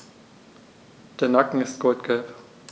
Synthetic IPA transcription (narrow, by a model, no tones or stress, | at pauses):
d̥eːɐnakŋ̩ɪstɡ̥ɔltɡ̥ɛp